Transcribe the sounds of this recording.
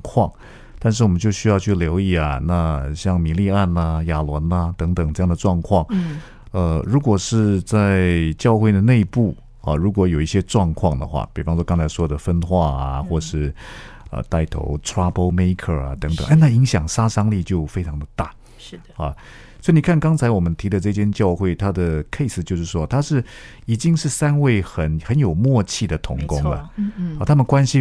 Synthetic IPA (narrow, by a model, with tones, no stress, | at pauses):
kʰwɑ˥˩ŋ | t̪a˥˧nʂɻ̩˥˩wɔ˨˩mə˦nt͡ɕjo˥˧ʊɕy˥jɑ˥˧ʊt͡ɕʰy˥˩ljo˧˥ʊi˥˩ɐ˨˩na˥˧ɕjɑ˥˩ŋmi˨˩li˥˧a˥˩nə˩ja˨˩lwə˧˥nɐ˧t̪ɤ˧˥ŋt̪ɤ˨˩ŋʈ͡ʂɤ˥˧jɑ˥˩ŋd̪ə˩ʈ͡ʂwɑ˥˧ŋkʰwɑ˥˩ŋ | ə˧ɻu˧˥kwɔ˨˩ʂɻ̩˥˧t͡sa˥˧ɪɪt͡ɕjɑ˥˧ʊxwe˥˩ɪd̪ə˩ne˥˧ɪpu˥˩ | ɐ̰˩ɻu˧˥k̬wɔ˧˥jo˨˩ʊi˥˩ɕjɛ˥ʈ͡ʂwɑ˥˧ŋkʰwɑ˥˩ŋd̪ə˩xwa̰˥˩pi˨˩fɑ˥ŋʂwɔ˥kɑ˥ŋt͡sʰa˧˥ɪʂwɔ˥d̪ə˨fə˥nxwa˥˩ɐ̰˩xwɔ˥˩ʂɻ̩˥˩ə̰˧˩t̪a˥˩ɪt̪ʰo̰˧˥ʊʈ͡ʂʰɹa˥po˥˩ʊme˥ɪkʰə̰˨˩ɐ̰˨t̪ɤ˧˦˥ŋt̪ə˨˩ŋʔa˥˧na˥˩i˧˥ŋɕjɑ˨˩ŋʂa˥ʂɑ˥ŋli˥˧t͡ɕjo˥˩ʊfe˥ɪʈ͡ʂʰɑ˧˥ŋd̪ə˨t̪a˥˩˧ | ɐ̰˨˩ | swɔ˥i˨ni˨˩kʰa˥˩nkɑ˥ŋt͡sʰa˧ɪwɔ˨˩mə˦nt̪ʰi˧˥d̪ə˨˧ʈ͡ʂɤ˥˧t͡ɕʰjɛ˥nt͡ɕjɑ˥˧ʊxwe˥˩ɪt̪ʰa˥d̪ə˨kʰe˥˧ɪsɹ̩˨˩t͡ɕjo˥˧ʊʂɻ̩˥˩ʂwɔ˥t̪ʰa˥ʂɻ̩˥˩ | i˨˩t͡ɕi˥ŋʂɻ̩˥˩sa˥nwe˥˩ɪxə˨˩˦nxə˧˦njo˨˩ʊmwɔ˥˧t͡ɕʰi˥˩d̪ə˩t̪ʰʊ˧˥ŋkʊ˥ŋlə̰˨ɐ˥˧t̪ʰa˥mə˨nkwa˥nɕi˥